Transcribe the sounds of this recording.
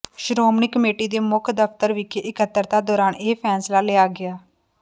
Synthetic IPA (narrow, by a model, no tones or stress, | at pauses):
ʃɾoːmniːkəmeːʈiːd̪eːmʊkʰd̪əpʰt̪əɾʋɪkeʔɪkət̪ːəɾt̪aːd̪ɔːɾaːneːpʰɛːnslaːleaːɡɪaː